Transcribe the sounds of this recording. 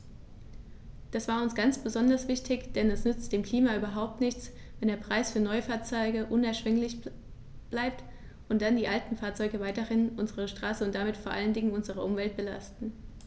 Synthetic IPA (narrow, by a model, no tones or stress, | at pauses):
d̥asv̥aːʊnsɡ̥ant͡sb̥əzɔndɐsv̥ɪçtʰɪçd̥ɛnɛsnʏt͡std̥eːmkʰl̥iːmaʔyːbɐɦaʊp̚tnɪçt͡s | vɛndeːɐpʁ̥aɪsfyːɐnɔʏəfaːɐt͡sɔʏɡəʔʊnɛɐʃv̥ɛŋlɪç | b̥laɪp̚t | ʔʊnt̚d̥andiːʔaltn̩faːɐt͡sɔʏɡəvaɪtəɪnʔʊnzəʁəʃtʁ̥aːsəʊntd̥amɪtfoːɐʔa̰ləndɪŋənʊnzəʁ̞əʔʊmvɛlt̚b̥əla̰stn̩